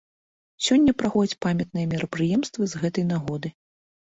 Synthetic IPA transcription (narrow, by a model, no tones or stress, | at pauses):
sʲɔnʲːɐpɾaxɔd͡zʲɐt͡sʲpamʲɐt̪̚nɨjɛmʲiɾɐpɾɨjɛmst̪vɨzɣɛt̪ɐjnaɣɔd̪ɨ